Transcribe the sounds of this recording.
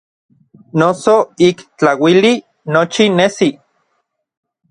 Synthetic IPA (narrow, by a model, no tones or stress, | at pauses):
nosoikt͡ɬawili | not͡ʃinesi